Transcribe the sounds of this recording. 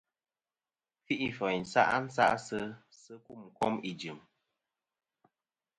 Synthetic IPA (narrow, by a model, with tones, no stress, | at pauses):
fi˦ʔi˦˨fə˨n̩˨sa̰˦ʔa˦n̩˦sa̰˦ʔsə˦sə˦ku˦˨mkɔ˦mi˨d͡ʒɨ˨m